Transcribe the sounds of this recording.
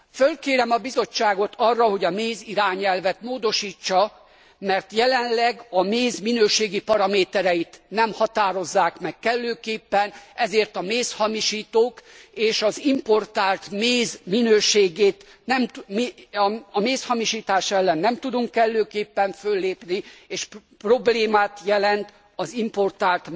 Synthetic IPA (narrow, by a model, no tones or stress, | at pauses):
følkeːɾɛmɒbizo̞t͡ʃːaːɡo̞t̪ʰɒrːɒɦo̞ɟɒmeːziɾaːɲɛlvɛt̪moːd̪o̞ʃiːt͡ʃːɒ | mɛrt̪jɛlɛnlɛɡɒmeːzminøːʃeːɡipɒɾɒmeːt̪ɛɾɛjit̪nɛmhɒt̪aːɾo̞zːaːkmɛkkːɛlːøːkeːpːɛnɛzeːrt̪ɒmeːshɒmiʃiːt̪oːkeːʃɒzimpo̞rt̪aːlt̪meːzminøːʃeːɡeːt̪ | nɛm | ɒmeːshɒmiʃiːt̪aːʃɛlːɛnːɛmt̪ud̪uŋkːɛlːøːkeːpːɛɱfølːeːpnieːʃ | pro̞bleːmaːt̪jɛlɛnt̪ | ɒzimpo̞rt̪aːlt̪